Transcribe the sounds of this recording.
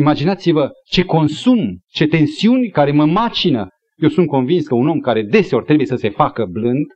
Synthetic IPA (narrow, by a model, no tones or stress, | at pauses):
imad͡ʒinat̪sivət͡ʃe̞ko̞nsumt͡ʃe̞t̪e̞nsiunʲkaɾe̞məmat͡ʃinə | je̞wsunt̪̚ko̞nvinskəuno̞mkaɾe̞d̪e̞se̞o̞rt̪ɾe̞buje̞səse̞fakəblɨnd̪